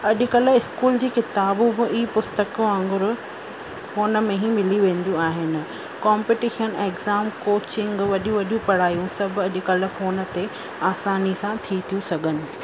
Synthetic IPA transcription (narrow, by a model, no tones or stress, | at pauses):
ɐʄʊ̆kɐl̆ɪskuːld͡ʑiːkɪt̪aːbʊbɪʔiːpʊst̪əkũãːŋɡʊɾʊ | foːnə̆mẽɦĩmɪliʋẽːn̆d̪jũaːɦɪnɪ̆ | kãːmpiʈiːʃəneːɡzaːmkoːt͡ɕɪ̃ŋɡʋɐɗũʋɐɗijũpɐɽ̤aːjũsɐbʱʊ̆ɐʄʊ̆kɐl̆foːnə̆t̪e | aːsaːnisãt̪ʰit̪ʰijũsɐɡʱənɪ̆